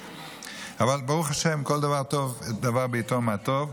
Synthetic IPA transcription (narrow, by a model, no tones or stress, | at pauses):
avalbeʁuχaʃemko̞ld̪avaʁt̪o̞ved̪avaʁbiːt̪omeat̪ov